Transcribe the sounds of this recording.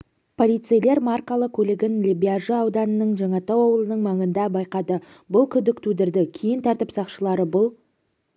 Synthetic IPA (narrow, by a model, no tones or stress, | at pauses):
pʰo̞lʲijt̪sɨjle̞ɾmarkolˠəq̚kʲʰɵlɪɡʲɪnlʲibʲiaʒəɑwd̪ɑnənəɴʒɑɴɑt̪ɑwɑwəlˠənəɴmɑɴənd̪ɑbɑjqɑd̪ə | bʊlˠkʲʰʏd̪ɪkt̪ʰud̪ɪɾd̪ɪkʲʰejɪnt̪ʰɑɾt̪əpsɑqʃəlˠɑɾəbʊlˠ